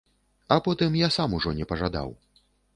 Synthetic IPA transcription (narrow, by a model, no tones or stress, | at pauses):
apɔt̪ɨmjasamuʐɔnʲɛpɐʐad̪a̰w